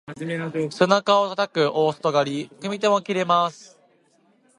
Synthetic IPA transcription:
sɨnakao̞t̪at̪akɯ̟ʔo̞ːsɨ̥t̪o̞ɡaɾʲikɯ̟mʲit̪e̞mo̞kʲiɾe̞masɨ̥

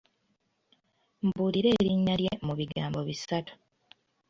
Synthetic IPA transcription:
mbuːliɾe̞ːɾiɲːaɾjemuβiɡaːmbo̞βisatu̥

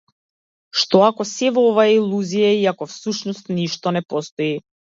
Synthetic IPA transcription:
ʃt̪ɔakɔsɛvɔɔvaailˠuzijaiakɔfsuʃnɔst̪niʃt̪ɔnɛpɔst̪ɔi

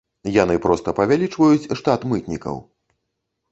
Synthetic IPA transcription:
janɨpɾɔst̪ɐpɐvʲalʲit͡ʂvɐjut͡sʲʂt̪at̪mɨt̪nʲikɐ̰w

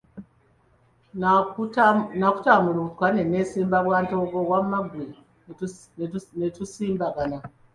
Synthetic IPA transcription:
naku̥tamuɾutkanenesimbakwantoɡowammaɡwe | netusimbakana

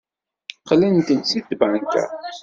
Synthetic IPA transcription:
qlænt̪ənt͡sːid̪baŋkæ̰

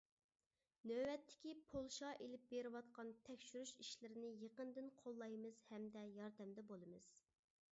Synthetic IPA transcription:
nøwɛt̪ʰːɪ̥kʲipʰolˠʃɑʔelɪp̚beɾɪwɑt̪qɑnt̪ʰɛkʲʃyɾyʃiʃlɪɾɪnɪjeqənd̪ɨnqʰolˠːɑjmɨz̥hɛmd̪ɛjɑɾd̪ɛmd̪ɛbolˠɨmɨz̥

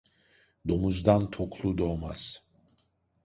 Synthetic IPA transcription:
d̪o̞muzd̪ant̪ʰokʰlˠud̪o̞ma̰z̥

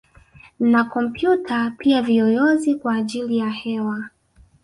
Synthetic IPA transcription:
nakɔm̩pjutʰapiaviɔjɔzikwaːʄilijahɛwa

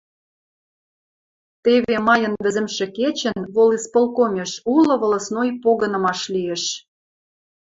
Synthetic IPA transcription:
t̪eβemɑjɤ̆nβɘ̆zə̆mʃĕket͡ɕə̆nβolispolˠkomʲeʃulɤ̆βɤ̆lɤ̆snojpoɣə̆nɤ̆mɑʃlieʃ

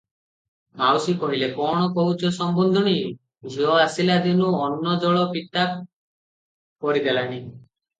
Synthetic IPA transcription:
mawsipɔɾilekɔɽ̃ɔkɔwt͡ʃɔsɔmbɔnd̪ʱɔɽ̃i | d͡ʒʱiɔasilad̪inuɔnːɔd͡ʒɔɭɔpiʈ̪ap | pɔɾid̪elaɽ̃i

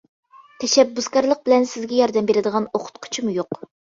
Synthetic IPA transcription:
t̪ʰɛʃɛbːuzkɑɾlˠəq̚bɪlɛnsɪzɡʲɛjɑɾd̪ɛmbeɾɪd̪əʁɑnoqʰʊ̥t̪qʰʊ̥t͡ʃʰimujoq

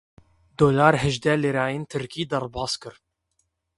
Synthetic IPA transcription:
d̪oːlaːɾɦɛʒd̪ɛleɾɑːjeːnt̪ʰɨɾkiːd̪ɐɾbɑːskɨɾ

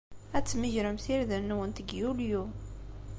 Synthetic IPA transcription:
æt͡sːməʒɾəmθiɾðənːwənt̪əɡjulju

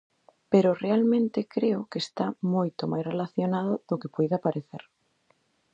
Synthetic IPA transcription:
peɾʊrealmẽnt̪ekɾeʊkeːst̪amojt̪omajsrelaθjonaðʊðokepujðapaɾeθḛɾ

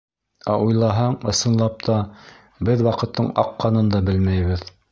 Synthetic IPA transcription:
æʔujlˠɑɦɑɴɤ̆sɤ̆nlˠɑp̚t̪ʰɑ | bɘðwɑqɤ̆t̪ʰːɤɴɑ̰qːɑnɤnd̪ɑbɘlmæjβɘð

